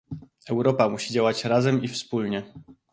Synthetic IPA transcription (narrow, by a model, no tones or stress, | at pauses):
ɛwɾɔpamuɕid͡ʑawat͡ɕɾazɛmifspulɲɛ